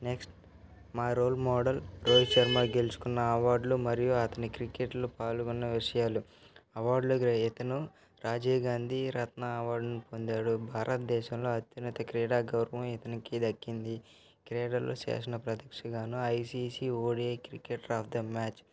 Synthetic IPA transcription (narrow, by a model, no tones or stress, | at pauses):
neksʈ | maːɾoːlmɔːɖɐlɾoːd͡ʒt͡ʃɐɾmaːɡelut͡ʃu̥kunːɐɐʋaːɾɖlumɐɾijuɐt̪ɐnikɾikeʈlupaːluɡunːɐʋiʂɐjaːlu | ɐʋaːɾɖluit̪ɐnu | ɾaːd͡ʒiːɡaːnd̪iɾɐt̪nɐɐʋaːɾɖɐnipond̪aːɽubʱaːɾʔɐt̪̚d̪ɛːʃɐmlo̞ːɐt̪jɐnɐt̪ɐkɾiːɽaːɡɐwɾɐʋɐ̃mit̪ɐnikid̪ɐkːind̪i | kɾeːɽɐlʔo̰ːt͡ʃḛːʂɐnɐpɾɐd̪ɐkʂɐɡaːnuɐjsiːsiːoːɽieːkɾikeʈɾaːpʰd̪ɐmaːt͡ʃ